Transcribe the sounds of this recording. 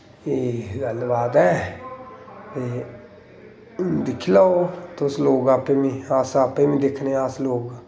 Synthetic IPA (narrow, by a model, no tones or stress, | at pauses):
eːɡəlːʋaːd̪ɛː | t̪eː | d̪ɪkʰːilaoːt̪ʊsloːɡapeːʋĩːaːsapẽːʋĩːd̪ɪkʰneːaːsloːɡ